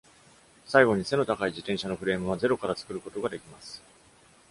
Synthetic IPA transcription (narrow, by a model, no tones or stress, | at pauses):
saiɡo̞ɲ̟ise̞no̞t̪akaiʑit̪ẽ̞ɰ̃ɕano̞ɸɯɾe̞ːmɯ̟β̞aze̞ɾo̞kaɾat͡sɨ̥kɯ̟ɾɯ̟ko̞t̪o̞ɡad̪e̞kʲimasɨ̥